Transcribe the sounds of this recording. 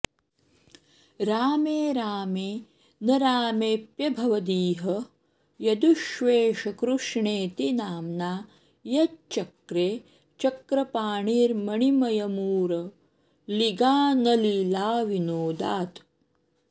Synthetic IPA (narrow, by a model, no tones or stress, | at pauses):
ɾaːmeːɾaːmeː | nɐɾaːmeːpjɐbʱɐʋɐd̪iːɦɐ | jɐd̪uʃʋeːʃɐkɾuʂɳeːt̪inaːmnaː | jɐtt͡ʃɐkɾeː | t͡ʃɐkɾɐpaːɳiːɾmɐɳimɐjɐmuːɾɐ | liɡaːnɐlilaːʋinoːd̪aːt̪